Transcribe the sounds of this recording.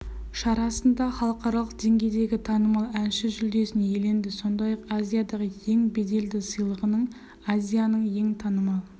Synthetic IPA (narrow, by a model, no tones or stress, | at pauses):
ʃɑɾɑsənd̪ɑχɑlˠəqɑɾɑlˠəq̚d̪̥e̞ŋɡʲe̞jd̪e̞ɡʲɪt̪ʰɑnəmɑlˠænʃɪʒʏld̪e̞sɪnje̞le̞nd̪ɪso̞nd̪ɑjɑqazʲijad̪ɑʁəje̞ŋbe̞d̪e̞ld̪ɪsəjlˠəʁənəɴ | azʲijanəɴje̞ŋt̪ʰɑnəmɑlˠ